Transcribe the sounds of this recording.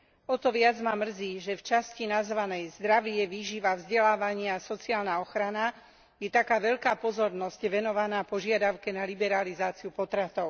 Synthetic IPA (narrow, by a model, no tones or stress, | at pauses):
ɔt̪ɔʋɪad͡zmamr̩ziːʒɛft͡ʃascinazʋanɛjzd̪ɾaʋɪɛʋiːʒiʋavzɟɛlaːʋaɲɪasɔt͡siaːlnaɔxɾana | jɛt̪akaːʋɛʎkaːpɔzɔɾnɔscʋɛnɔʋanaːpɔʒɪad̪aʊkɛnalibɛɾalizaːt͡siupɔt̪ɾat̪ɔʊ